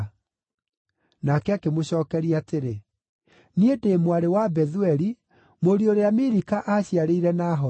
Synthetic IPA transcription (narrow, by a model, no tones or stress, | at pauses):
nakɛakemoɕɔːkɛɾiateɾe | niedeːmwaɾewabɛðuɛɾi | moɾioɾeamiɾikaʔaɕiaɾeiɾɛnaːɦɔ